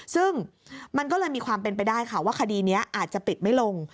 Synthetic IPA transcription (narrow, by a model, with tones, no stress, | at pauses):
sɯ˥˩ŋma˧nkɔː˥˩lɤː˧jmiː˧kʰwaː˧mpe˧npa˧jdaː˥˩jkʰa˥˩waː˥˩kʰa˧diː˧ni˦˥ɐʔaː˨˩t̪̚t͡ɕa˨˩pi˨˩t̪̚ma˥˩jlo˧ŋ